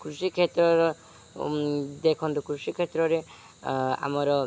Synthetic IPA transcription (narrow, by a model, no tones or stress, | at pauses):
kɾusikʰet̪ɾɔɾɔ | d̪ekʰɔnt̪ukɾusikʰet̪ɾɔɾe | a̰mɔɾɔ